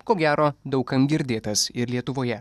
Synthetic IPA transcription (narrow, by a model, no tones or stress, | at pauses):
koːɡʲæːɾoːd̪ɐʊkɐmɡʲɪɾʲd̪ʲeːt̪ɐsɪɾlʲiɛt̪ʊʋoːjɛ